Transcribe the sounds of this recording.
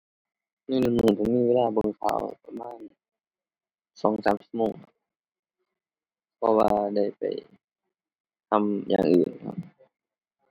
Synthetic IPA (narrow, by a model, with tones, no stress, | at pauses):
miː˧˥˨nu˧˩nu˧˩t̪ʰa˧˩miː˧˥˨weː˧˥˧laː˧˩bɤ˧˨ŋkʰa̰ː˧˩wpa˧maː˧˥˨n | sɔː˨˦ŋsaː˨˦msi̥˧˩t̪̚moː˧˩ŋhʰa˧ | pʰɔ˧waː˧da˧˥˩jpa̰˨˩j | t̪ʰa˧mja̰ː˨˩ŋʔɯ̰ː˨˩nkʰa̰˧p̚